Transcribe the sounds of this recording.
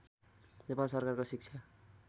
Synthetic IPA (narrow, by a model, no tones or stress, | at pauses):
nepalsʌrkarkosik̚t͡sʰa